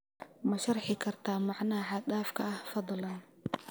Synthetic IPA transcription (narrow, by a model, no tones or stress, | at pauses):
mɐʃɑrħɪkʰɐrt̪ʰaːmɑʕnaːħɑd̪aːfkʰɐʔɐhfɑd̪ˤlɐn